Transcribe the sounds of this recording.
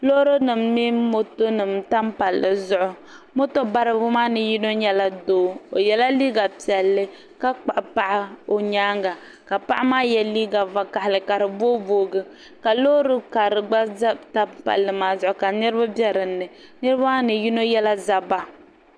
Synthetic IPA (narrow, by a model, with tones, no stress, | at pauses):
lo˦ɾo˦nɨ˨mːi˦mo˦to˦nɨ˨mta˦mpa˨lːɨ˨zʊ˦ʔʊ˦ | mo˦to˦ba˦ɾɨ˦bʊ˦ma˦nɨ˨ji˦no˦ɲɛ˦la˦doː˦o̰˨jɛ˨la˦liː˦ɡa˨pi˨ɛ˨lːɨ˦ | ka˦k͡pa˨ʔpa˦ʔɪ˦o˨ɲaː˦ŋɡa˨ | ka˨pa˦ʔa˦maː˦jɛ˦liː˦ɡa˨va˨ka˨hɪ˨lɨ˨ka˨ɾɨ˨bo˦boː˦ɡɨ˦ | ka˨lo˦ɾɨ˦ka˨ɾɨ˨ɡ͡ba˦za˦ta˦pa̰˨lːɨ˨maː˨zʊ˦ʔʊ˦˨ka˨nɨ˦ɾɨ˦ba˦bjɛ˦ɾɨ˨nːɨ˨ | nɨ˦ɾɨ˦ba˦nɨ˨ju˦no˦jɛ˦la˦za˦ba˦